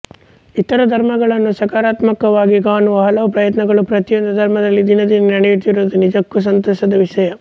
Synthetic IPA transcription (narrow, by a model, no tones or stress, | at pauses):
it̪ːɐɾɐd̪ʱɐɾmɐɡɐɭɐnːusɐkaːɾaːt̪mɐkɐʋaːɡiɡaːnuʋɐɦɐlɐʋɐpɾɐjɐt̪nɐɡɐɭupɾɐt̪ijɔnd̪ɐd̪ʱɐɾmɐd̪ɐlːid̪inɐd̪inɐnɐɽɛjuʈ̪iɾuːd̪unid͡ʒɐkːus̬ɐnt̪ɔːʃɐd̪ɐʋiʂɐjɐ